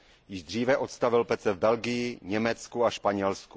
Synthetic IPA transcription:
jɪʒd̪r̝iːvɛʔo̞t̪st̪avɪlpɛt͡sɛvbɛlɡɪjɪɲɛmɛt͡skuaʃpaɲɛlsku̥

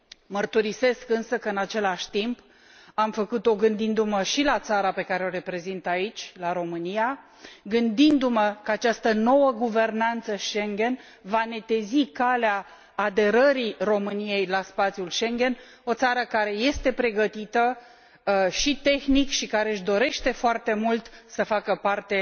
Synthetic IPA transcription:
mərt̪uɾise̞skɨnsəkəɨnat͡ʃe̞laʃʲt̪imp | amfəkut̪o̞ɡɨnd̪ind̪uməʃilat̪saɾape̞kaɾe̞o̞ɾe̞pɾe̞zint̪ait͡ʃʲlaɾo̞mɨnija | ɡɨnd̪ind̪uməkəat͡ʃast̪əno̞wəɡuve̞rnant̪səʃeŋɡʲe̞n | vane̞t̪e̞zikaleaː | d̪e̞ɾəɾiro̞mɨnije̞jlaspat̪sʲjulʃe̞ŋɡʲe̞n | o̞t̪saɾəkaɾe̞je̞st̪e̞pɾe̞ɡət̪it̪ə | ʃit̪e̞xnikʃikaɾe̞ɨʃd̪o̞ɾe̞ʃt̪e̞foart̪e̞mult̪səfakəpart̪e̞

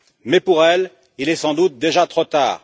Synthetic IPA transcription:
mɛpuʁɛl | ilɛsɑ̃d̪ut̪̚d̪eʒat̪χot̪a̰ːʁ

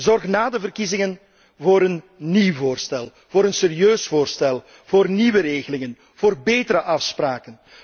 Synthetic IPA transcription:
zɔrxnaːdəvərkizɪŋən | voːɾən | niwvoːrstɛlˠ | v̥oːɾənserijøːsvoːrstɛlˠ | v̥oːrniʋəɾeːɣəlɪŋən | v̥oːrbeːtəɾəʔɑfspraːkən

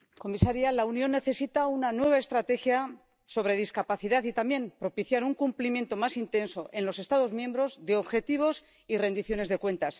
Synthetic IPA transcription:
ko̞misaɾjalaunjo̞nːe̞θe̞sit̪aunanwe̞β̞ae̞st̪ɾat̪e̞xja | so̞βɾe̞ð̞iskapaθiðaθit̪amje̞mpɾo̞piθjaɾuŋkumplimje̞nt̪o̞masint̪e̞nso̞ʔe̞nlo̞se̞st̪aðo̞zmjẽ̞mbɾo̞zðe̞o̞βxe̞t̪iβ̞o̞s | ire̞nd̪iθjo̞ne̞zðe̞kwe̞nt̪as

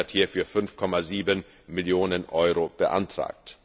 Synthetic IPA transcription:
ɐthiːɐfyːɐfʏnfkʰɔmaziːbən | mɪljoːnənʔɔʏʁob̥əʔa̰ntʁ̥a̰ːk̚t

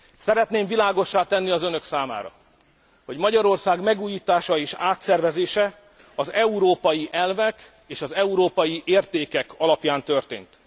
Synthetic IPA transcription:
sɛɾɛt̪neːɱvilaːɡo̞ʃːaːt̪ɛnːiɒzønø̞ksaːma̰ːɾɒ̰ | ho̞ɟmɒɟɒɾo̞rsaːɡmɛɡuːjiːt̪aːʃɒeːʃaːt̪sɛrvɛzeːʃɛ | ɒzɛuɾoːpɒjiʔɛlvɛk | eːʃɒzɛuɾoːpɒjiʔeːrt̪eːkɛkɒlɒpjaːnt̪ø̞rt̪ḛːnt̪

